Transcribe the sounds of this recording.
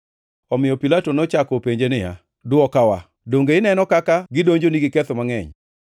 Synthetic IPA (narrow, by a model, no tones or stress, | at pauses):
ɔmɪjɔpilatonɔt͡ʃakɔpeɲd͡ʒenɪja̰ | dʊɔkawa | doŋɡeɪnɛnɔkakaɡɪdoɲd͡ʒoniɡɪkɛt̪ɔmaŋɛ̰ɲ